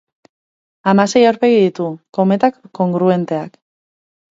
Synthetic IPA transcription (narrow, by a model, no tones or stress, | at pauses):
amase̞jawɾpe̞ɣiðit̪uko̞me̞t̪akːo̞ŋɡɾue̞nt̪e̞ak